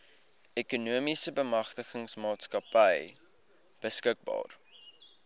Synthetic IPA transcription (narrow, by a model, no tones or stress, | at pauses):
ɛkunuəmisəbəmɐχtəχəŋsmɑːtskɐpəj | b̥əskək̚bɑ̰ːr